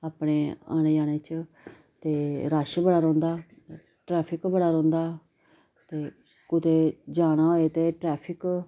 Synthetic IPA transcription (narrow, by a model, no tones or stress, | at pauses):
aːpɽeːa̰ːneːd͡ʒaːɽ̃eːt͡ʃ | t̪eːɾaːʃbəɽaːɾɔ̃ːnd̪aː | ʈɾɛːpʰɪkbəɽaːɾɔ̃ːnd̪aː | t̪eː | kʊt̪eːd͡ʒaːñaːɦoːeːt̪eːʈɾɛːpʰɪk